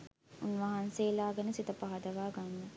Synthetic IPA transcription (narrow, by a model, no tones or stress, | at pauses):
unʋɐɦɐnseːlaːɡɐnɐsit̪ɐpɐɦɐd̪ɐʋaːɡanːɐ